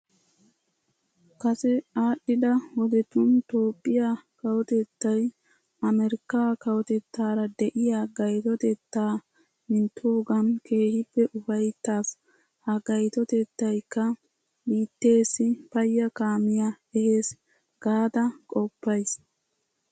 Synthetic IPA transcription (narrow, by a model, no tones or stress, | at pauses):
kɐsɛaːɗːɪd̪ɐwɔd̪ɛt̪ʊnt̪oːpʼːɪjakɐwɔt̪ɛt̪ːɐj | ɐmɛɾɪkːaːkɐwɔt̪ɛt̪ːaːɾɐd̪ɛʔɪjaːɡɐjt̪ɔt̪ɛt̪ːaː | mɪnt̪ʰːuːɡɐnke̞ːhɪbːɛʔʊfɐjt̪ːaːs | hɐɡɐjt̪ɔt̪ɛt̪ːɐjkːɐ | biːt̪ːe̞ːsːɪpɐjːɐkaːmɪja | ɛhe̞ːs | ɡ̥aːd̪ɐkʼɔpːɐjs